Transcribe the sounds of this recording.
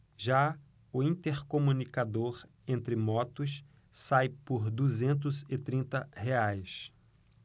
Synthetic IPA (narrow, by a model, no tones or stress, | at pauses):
ʒa | ʊĩnt̪eɾkomũnikad̪oɾ | ẽnt̪ɾɪmɔt̪ʊs | sajpʊɾd̪uzẽnt̪̬ʊzɪt̪ɾĩnt̪ɐheajs